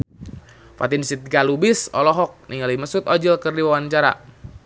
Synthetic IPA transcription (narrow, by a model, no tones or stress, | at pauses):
fa̰t̪insit̪̚ɡalubɪsɔlɔɦɔk̚niŋaliməsut̪ɔd͡ʒilkərdiwawant͡ʃaɾa̰